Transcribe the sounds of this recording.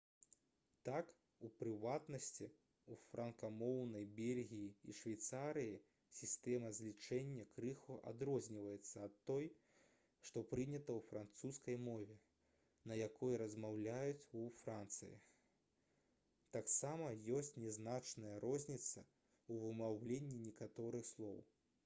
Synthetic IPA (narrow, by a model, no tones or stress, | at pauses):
t̪ak | upɾɨvat̪nɐsʲt͡sʲi | ufɾɐnkamɔwnɐjbʲelʲɣʲijḭːʂvʲajt̪saɾɨji | sʲist̪ɛmɐzʲlʲit͡ʂɛnʲːɐkɾɨxuʔa̰d̪ɾɔzʲnʲivɐjɛt̪sːɐːt̪ːɔj | ʂt̪ɔpɾɨnʲɐt̪ɐwfɾant̪suskɐjmɔvʲɛ | nɐjakʰɔjɛɾɐzmawlʲajut͡sʲufɾant̪sɨ̰jḭ | t̪aksamɐjɔsʲt͡sʲnʲɛznat͡ʂnɐjɐɾɔzʲnʲit̪sɐ | uvɨmawlʲenʲːinʲɛkat̪ɔɾɨxslˠɔ̰w